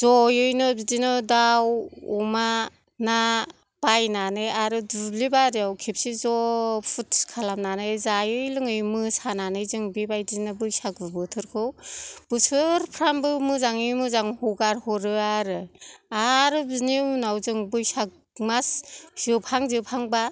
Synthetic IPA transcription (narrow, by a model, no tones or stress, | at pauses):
zɔjɯjnɯbidinɯdawṵma | na | b̥ajnanɯjaɾɯdulibaɾiawkʰip̚sizɔpʰutʰkʰalamnanɯjzajɯjlɯŋɯjmɯsananɯjzɯŋbibajdinɯbɯjsak̚bɯbɯtʰɯɾkʰɯwb̥ɯsɯɾpʰɾambɯmɯzaŋimɯzaŋhuɡaɾhɔɾɯaɾɯaɾɯbininawzɯŋbɯjsak̚ | masz̥ɯpʰaŋzɯpʰaŋba